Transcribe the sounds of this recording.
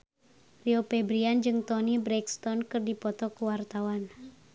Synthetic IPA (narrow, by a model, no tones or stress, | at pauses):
riopɛbɾiand͡ʒɨŋt̪ɔnibɾɛkst̪ɔnkɨrdipɔt̪ɔkuwart̪awan